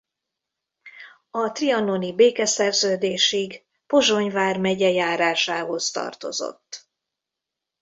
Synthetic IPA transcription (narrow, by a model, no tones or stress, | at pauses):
ɒt̪riɒnonibeːkɛsɛrzøːd̪eːʃiɡ | po̞ʒo̞ɲvaːrmɛɟɛjaːɾaːʃaːɦo̞st̪ɒ̰rt̪o̞̰zo̰t̪ː